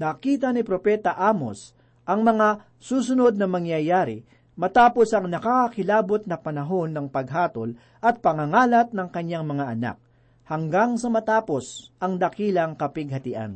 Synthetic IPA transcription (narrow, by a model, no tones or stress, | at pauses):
nɐkiːt̪ɐnɪpɾopɛt̪ɐʔamo̰s | ʔɐŋmɐŋa | suːs̬ʊno̞d̪̚nɐmɐŋjɐjaːɾɪ̰ | mɐt̪aːpo̞sɐŋnɐkakkɪlaːbot̪̚nɐpɐnɐɦo̞nːɐŋpɐɡɦaːt̪ol | ʔɐt̪̚pɐŋɐŋaːlɐt̪̚nɐŋkɐɲːaŋmɐŋaʔɐna̰k̚ | hɐŋɡaŋsɐmɐt̪aːpo̞sʔɐŋd̪ɐkiːlɐŋkɐpɪɡhɐt̪ɪʔa̰n